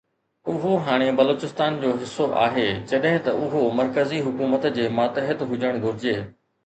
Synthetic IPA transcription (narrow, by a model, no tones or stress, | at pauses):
ʊɦoɦaːɽ̃ebɐloːt͡ɕɪst̪aːnd͡ʑoːɦɪsːoʔa̰ːɦeːd͡ʑɐɗɦɪ̃t̪ɐʔʊɦomɐɾkəziɦʊkuːmət̪d͡ʑeːmaːt̪əɦət̪ɦʊd͡ʑəɽ̃ɡʱʊɾɪd͡ʑeː